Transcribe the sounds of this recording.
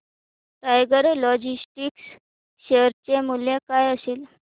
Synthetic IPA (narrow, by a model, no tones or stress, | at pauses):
ʈajɡəɾlɔd͡ʑisʈiks | ɕeɾt͡ɕemuljekajəsiːl